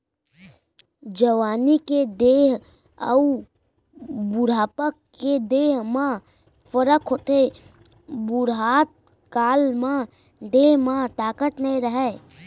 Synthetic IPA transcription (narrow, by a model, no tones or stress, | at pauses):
d͡ʒəʋaniked̪eɦ | ə̰u | buɾapəkːed̪eɦma | pəɾəkɦot̪ʰe | buɾɦat̪̚ | kalma | d̪eɦmat̪akət̪nɛɾəɦɛ